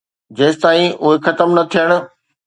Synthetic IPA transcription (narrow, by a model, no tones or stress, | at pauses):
d͡ʑeːsɪt̪aːĩʊɦexɐt̪əmnɐt̪ʰijəɽ̃ʊ̆